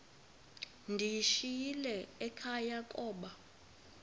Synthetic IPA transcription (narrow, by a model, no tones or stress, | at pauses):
ndʱiʃijilɛɛkʰajakʼɔːɓa